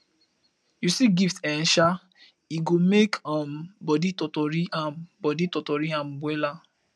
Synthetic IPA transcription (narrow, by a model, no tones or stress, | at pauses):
jusiɡiftɛnʃa | iɡomekʰambɔditɔtɔɾiãbɔditɔtɔɾiãmbwɛla